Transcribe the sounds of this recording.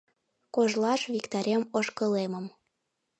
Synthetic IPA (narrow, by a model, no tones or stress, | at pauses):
koʒlɑʃβikt̪ɑɾʲemoʃkɤ̆leməm